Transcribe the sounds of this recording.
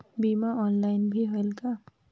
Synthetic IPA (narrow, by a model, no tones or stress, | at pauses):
bimaɔnlajnbʱiɦʌlka